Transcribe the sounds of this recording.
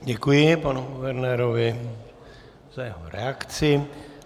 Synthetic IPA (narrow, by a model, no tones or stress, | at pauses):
ɟɛkujɪpanuɡuvɛɾnɛːɾovɪ | z̥ajɛɦo̰ɾɛ̰akt͡sɪ